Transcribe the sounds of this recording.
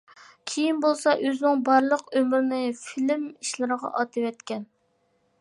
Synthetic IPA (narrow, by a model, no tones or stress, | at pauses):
kʲʰejinbolˠsɑʔøzɪnɪŋbɑɾlˠəqømɾɪnɪfilmiʃlɨɾəʁɑ̰ʔɑt̪ʰɨvɛt̪kʲɛn